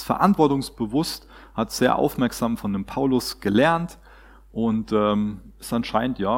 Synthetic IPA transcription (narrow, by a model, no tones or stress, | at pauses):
sfɛɐʔantv̥ɔɐtʊŋsb̥əvʊst | hatz̥eːɐʔa̰ʊfmɛɐkz̥aːmfɔndeːmpʰaʊlʊsɡ̥əlɛɐnt | ʔʊntʔɛːmɪstanʃaɪnən̩tjaː